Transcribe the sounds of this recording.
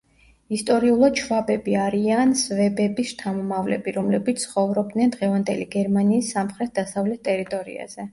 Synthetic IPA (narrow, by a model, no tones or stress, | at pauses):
ist̪ʼɔɾiulˠad̪̥t͡ʃʰvabɛbiaɾiansvɛbɛbist̪ʰamɔmavlɛ̰biɾɔmlɛbit̪ssʰχɔvɾɔb̚d̪nɛnd̪ʁɛvand̪ɛliɡɛɾmaniːsːamχɾɛt̪̚d̪asavlɛt̪̚ʰt̪ʼɛɾit̪ʼɔɾḭa̰z̥ɛ